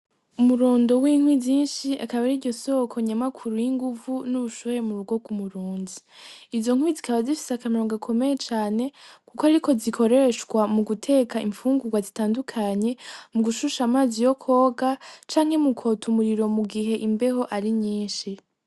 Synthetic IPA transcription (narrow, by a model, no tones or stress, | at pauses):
umuɾoːndo̞wiːŋwiiːnʃiakaβaɾiɾɟo̞so̞kʰo̞ɲamakʰuɾujiŋɡuvunuβuʃoβɾemuɾuɡo̞ɡumuɾuːnziː | vzo̞ŋ̥wizikaβazifi̥seakamiɾoŋɡakʰo̞me̞je̞t͡ʃaːne̞kukoaɾikʰo̞zikʰo̞ɾe̞ʃɡwamuɡutʰe̞ːkʰaiɱfuːŋɡuɡwazitaːndukʰaɲe̞muɡuʃuʃamaːzijo̞kʰo̞ːɡat͡ʃaːŋ̥he̞mukʰotumuɾiɾo̞muɡiɦe̞ʔimbe̞ho̞ʔaɾiɲiːnʃi